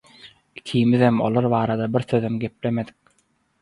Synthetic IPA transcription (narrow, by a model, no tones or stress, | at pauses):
i̥kʰiːmiðemo̰lˠoɾβɑːɾɑd̪ɑbiɾθø̞ðemɡe̞p̚le̞me̞d̪i̥k̚